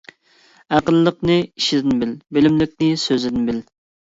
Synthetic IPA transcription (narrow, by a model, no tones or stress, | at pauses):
æqəlˠːəqnɨiʃɪd̪ɪnbɪlbɪlɪmlɪk̚ʲnɪsøzɪd̪ɪnbɪl